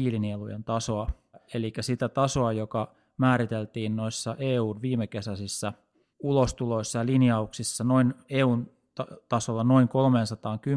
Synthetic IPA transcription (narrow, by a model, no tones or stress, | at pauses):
iːlinielujḛnt̪ɑsoɑ | elikːˑæsit̪æt̪ɑsoɑjokɑ | mæːɾit̪elt̪iːnnoisːɑʔeːuːnʋiːmekesæsisːæ | ulost̪uloisːɑjɑlinjɑuksisːɑnoineːuːn | t̪t̪ɑsolːɑnoiŋkolmeːnsɑt̪ɑːŋky